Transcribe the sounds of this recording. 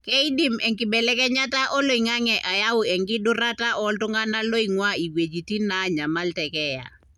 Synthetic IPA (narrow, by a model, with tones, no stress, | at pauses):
kɛ˦i˦di˦mɛ˨ŋkɪ˨bɛ˨lɛ˦kɛ˦ɲa˦ta˦ʔɔ˦lo˦˨i˨ŋa˦ŋɛ˨ʔa˨ja˦wʊ˨ɛ˨ŋɡɪ˦dʊ˦ɾa˦ta˦ʔɔ˦ltʊ˦ŋa˦na˦lo˦i˨ŋwa˦i˨we˨d͡ʒi˨ti˦na˦ɲa˨ma˦ltɛ˨kɛ˦ja̰˨